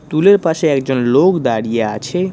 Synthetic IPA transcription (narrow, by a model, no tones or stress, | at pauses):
t̪uleɾpaʃeɛkd͡ʑonlokd̪aɽijeat͡ɕʰe